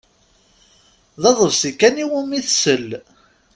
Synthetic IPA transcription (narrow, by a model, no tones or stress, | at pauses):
ðɑðˤəvsikːæniwumiθsəl